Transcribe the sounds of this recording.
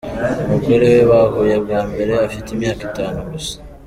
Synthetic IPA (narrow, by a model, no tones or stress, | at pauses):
mukeleweβahojaβɡaːmbe̞ɾeafitemjaːkitaːnuɡusḁ